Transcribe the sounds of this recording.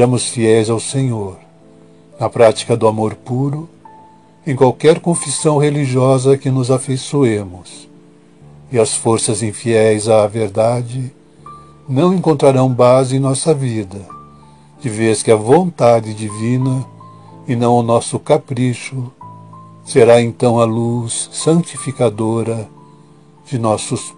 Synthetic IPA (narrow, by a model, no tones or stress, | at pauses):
ɾɐ̃mʊsfiɛjzawsẽɲoɾ | nɐpɾat͡ʃi̥kɐd̪ʊamoɾpuɾʊ | ẽj̃kwawkɛɾkõfisɐ̃w̃heliʒiɔzɐkɪnʊzafejsuẽmʊs | ɪɐsfoɾsɐzĩfiɛjzɐveɾd̪ad͡ʒɪ | nɐ̃w̃ẽkõnt̪ɾaɾɐ̃w̃bazɪẽnɔsɐvid̪ɐ | d͡ʒɪveskɪɐvõnt̪ad͡ʒɪd͡ʒivĩnɐ | ɪnɐ̃w̃ʊnɔsʊkapɾiʃʊ | seɾaẽnt̪ɐ̃w̃ɐlusːɐ̃t͡ʃifikad̪oɾɐ | d͡ʒɪnɔsʊs